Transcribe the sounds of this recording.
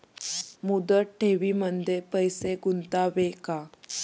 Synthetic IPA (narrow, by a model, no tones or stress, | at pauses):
mud̪əʈ̚ʈʰeʋiːmənd̪ʱepəjseɡunt̪aʋeka